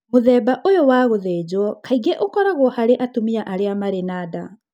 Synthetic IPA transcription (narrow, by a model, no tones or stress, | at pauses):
moðɛːbaʔojowaːɣoðeːd͡ʑwɔkʰaiɡeʔokɔɾaɣwɔhaɾeʔatomiaʔaɾeamaɾenaːda